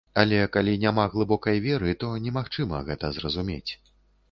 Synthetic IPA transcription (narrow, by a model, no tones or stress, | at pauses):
alʲɛkalʲinʲamaɣlˠɨbɔkɐjvʲɛɾɨt̪ɔnʲɛmaxt͡ʂɨmɐ̰ɣɛt̪ɐzrɐzumʲḛt͡sʲ